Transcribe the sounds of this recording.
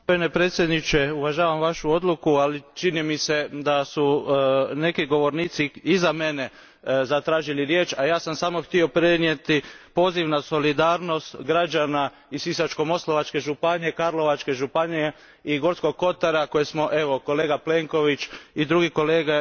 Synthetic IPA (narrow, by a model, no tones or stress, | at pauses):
pojenepɾe̞ːt̪sʲjed̪nit͡ʃe̞uʋaʒaːʋamʋaʃuo̞d̪lukualit͡ʃinimise̞d̪asu | ne̞kiɡo̞ʋo̞ɾniːt̪siizame̞ne̞ | zat̪ɾaːʒiliɾjet͡ʃajaːsamsaːmoxt̪io̞pɾenje̞t̪ipo̞ːziʋnaso̞lid̪aːɾno̞st̪ɡɾad͡ʒana | isisat͡ʃko̞mo̞slˠoʋat͡ʃke̞ʒupaɲekaɾlˠo̞ʋat͡ʃke̞ʒupaɲe | iɡo̞ɾt̪sko̞ɡ̚ko̞t̪aɾako̞jesmo̞ʔe̞ʋo̞ko̞leːɡaple̞ŋko̞ʋit͡ʃid̪ɾuɡiko̞leːɡa